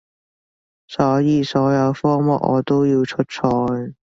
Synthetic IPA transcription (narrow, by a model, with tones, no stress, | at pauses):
sɔː˨˥jiː˧sɔː˨˥jɐ˨˧wfɔː˥mɔ˨˥ʔ̚ʔɔ̰ː˨˧t̪o˥wjiː˧wt͡ʃʰɵ˥t̚t͡sʰɔː˧˥j